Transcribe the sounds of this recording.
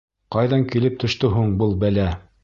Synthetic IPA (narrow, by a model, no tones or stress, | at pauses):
qɑjðɑŋkilɘp̚t̪ɵ̆ʃt̪ɵɦuɴbɤlˠbælæ